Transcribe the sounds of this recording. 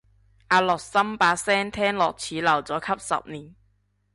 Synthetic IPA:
ʔaː˧lɔː˨˩k̚sɐ˥mpaː˨˧sɛː˥ŋt̪ʰɛː˥ŋlɔː˨˩k̚t͡sʰiː˨˥lɐ˨˩wt͡sɔː˨˥kʰɐ˥p̚sɐ̰˨p̚niː˨˩n

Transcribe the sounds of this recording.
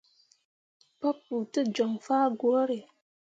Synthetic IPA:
pɔ˦p̚ːu˨tɨ˦d͡ʒɔ˨ŋfaː˦ɡo˨˦ɾe˨

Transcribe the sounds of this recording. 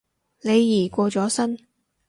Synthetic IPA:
ne˨˧jːiː˨˩kʷɔː˧t͡sɔː˨˥sɐ˥n

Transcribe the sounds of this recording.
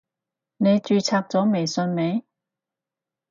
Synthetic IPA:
ne˨˧jt͡ʃyː˧t͡sʰaː˧k̚t͡sɔː˨˥me˨˩jsɵ˧nme˨˥j

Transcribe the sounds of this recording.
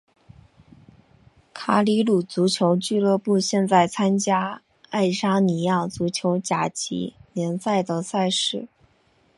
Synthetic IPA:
kʰa˧˥li˧˥lu˨˩t͡su˧˥t͡ɕʰjo˧˥ʊt͡ɕy˥˧lɤ˥˧pu˥˧ɕjɛ˥˧nt͡sa˥˩ɪt͡sʰa˥nt͡ɕja˥ | a˥˩ɪʂa˥ni˨˩˥ja˥˩t͡su˧˥t͡ɕʰjo˧˥ʊt͡ɕja˨˩t͡ɕʰḭ˧˥njɛ˧˥nsa˥˩ɪd̪ə˩sa˥˧ɪʂɻ̩˥˩

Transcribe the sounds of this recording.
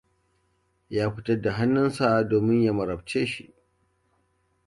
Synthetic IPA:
jaː˦ɸɪ˦tɐ˦dːa˨ɦa˦nːʊ˦nsa˦doː˨mɪ˦ɲja˦mɐ˨ɾɐ˨bt͡ʃeː˦ʃi˦ʔ

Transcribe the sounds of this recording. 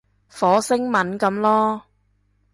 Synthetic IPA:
fɔː˨˥sɪ˥ŋmɐ˨˥nkɐ˨˧mlɔː˥

